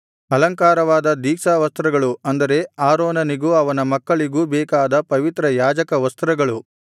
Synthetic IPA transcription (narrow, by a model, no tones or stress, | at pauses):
ɐlɐŋkaːɾɐʋaːd̪ɐd̪iːksaːʋɐst̪ɾɐɡɐɭuɐnd̪ɐɾe̞aːɾoːnɐniɡuɐʋɐnɐmɐkːɐɭiɡubɛːkaːd̪ɐpɐʋit̪ɾɐjaːd͡ʒɐkɐʋɐst̪ɾɐɡɐɭu